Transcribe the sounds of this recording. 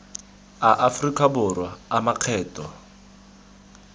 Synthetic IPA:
aʔafrikʼabʊrwaamaq͡χʰɛːtʼɔ

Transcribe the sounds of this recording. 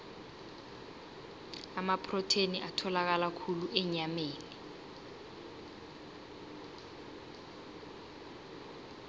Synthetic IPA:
amapʰrɔtʰeniʔatʰɔlak̬alakʰuluʔɛɲameːni

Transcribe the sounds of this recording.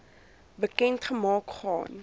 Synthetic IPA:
bəkɛntχəmɑːkχɑ̰ːn

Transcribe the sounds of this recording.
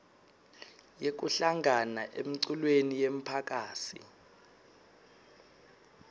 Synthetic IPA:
jek̬uɬaŋanaʔem̩ǀulwenijem̩pʰak̬ʼaːsḭ

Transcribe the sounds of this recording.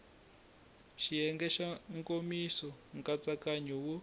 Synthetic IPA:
ʃijɛŋɡɛʃaŋkomisɔŋkat͡sakaɲuwu

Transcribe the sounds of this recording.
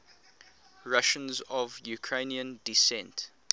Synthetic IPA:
ɹaʃə̃nzɔvjukʰɹẽniə̃ndisɛ̃nt

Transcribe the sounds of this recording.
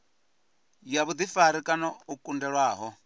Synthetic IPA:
jaβud̪ifaɾikʼanɔukʼundɛɺwaːɦɔ

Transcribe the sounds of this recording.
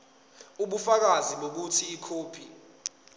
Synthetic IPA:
uɓufak̬aziɓok̬utʰiːkʰoːpʰi

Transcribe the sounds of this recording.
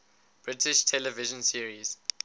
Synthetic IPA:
b̥ɹɪtɪʃtʰɛlɛvɪʒə̃nsiəɹiz̥

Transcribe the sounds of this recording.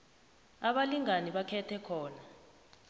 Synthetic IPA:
aɓaliŋaniɓakʰɛtʰɛkʰɔːna

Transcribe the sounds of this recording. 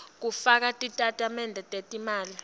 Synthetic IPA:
k̬ufak̬atʼitʼatʼamɛndʱɛtʼetʼimaːli

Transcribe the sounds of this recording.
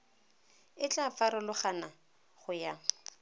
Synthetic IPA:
ɪt͡ɬʼafaɾʊlʊχana | χʊja

